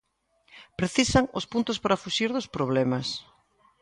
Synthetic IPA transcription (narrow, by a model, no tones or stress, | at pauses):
pɾeθisaŋʊspunt̪ʊspaɾafuʃiɾðʊspɾoβlɛmɐs